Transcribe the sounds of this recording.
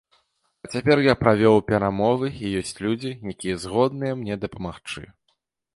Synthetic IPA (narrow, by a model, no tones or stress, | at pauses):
ɐt͡sʲapʲɛrjapɾavʲɔwpʲɛɾamɔvɨijɔsʲt͡sʲlʲud͡zʲijakʲijɛzɣɔd̪nɨjɛmnʲɛd̪ɐpɐmaxt͡ʂɨ̰